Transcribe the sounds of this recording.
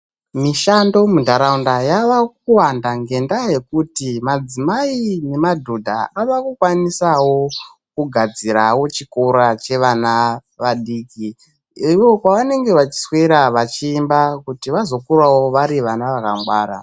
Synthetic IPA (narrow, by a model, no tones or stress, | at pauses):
miʃando̞mudʱaɾaundajaʋakuwandaŋɡe̞ndaje̞kutimad͡zimaine̞madʱodʱa̰aʋakukwanisawo̞ | kuɡʱad͡ziɾawo̞t͡ʃikoɾat͡ʃe̞ʋanaʋaɗiːki | iwo̞kwaʋane̞ŋɡe̞ʋat͡ʃi̥sweɾaʋat͡ʃiːmbakutiʋazo̞kurawo̞ʋaɾiʋanaʋakaŋɡwaːɾa̰